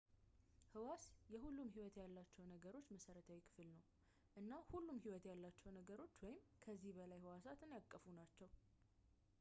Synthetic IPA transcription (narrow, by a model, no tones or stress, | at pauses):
hɨwasjɛhulːumɦiwɔt̪jalːat͡ʃːɛwnəɡəɾo̞t͡ʃːməsəɾət̪ʰawikʰɨ̥fɨlnəw | ʔɨnːahulːumhiwɔt̪jalːat͡ʃːɛwnəɡəɾo̞t͡ʃːwɔjɪmkʰəzːihbəlajhɨwasat̪ʰɨnjakʼːəfunat͡ʃːɛw